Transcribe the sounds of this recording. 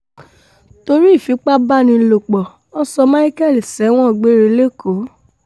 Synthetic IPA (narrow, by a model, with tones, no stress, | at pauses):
to˧ɾi˦˨fi˨˦k͡pa˦ba˦nĩ˧˨lo˨k͡pɔ˨ | ɔ˦sɔ˧mã˦i˦kɛ˦˨li˨sɛ˨˦w̃ɔ̃˦˨ɡ͡be˦ɾe˧˦le˦ko˨˦